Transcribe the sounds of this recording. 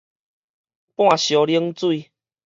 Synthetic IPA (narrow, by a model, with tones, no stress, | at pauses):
pw̃ã˥˧˨ɕjɔ˨li˦ŋt͡swui˥˧˨